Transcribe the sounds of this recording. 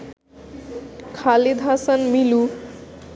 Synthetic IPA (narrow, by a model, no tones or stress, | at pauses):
kʰalid̪ʱasʌnmilu